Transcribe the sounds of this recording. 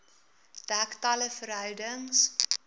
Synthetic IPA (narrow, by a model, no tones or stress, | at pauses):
d̥æktɐləfəɾɦœɥdəŋs